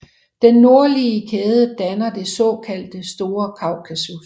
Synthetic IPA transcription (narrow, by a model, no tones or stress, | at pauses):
d̥enːo̝ɐliəkʰeːð̞ˠəd̥ænɐde̝sɔ̰̽kʰæl̰d̥əsd̥o̝ːɐkʰɑ̈ʊ̰kʰæsu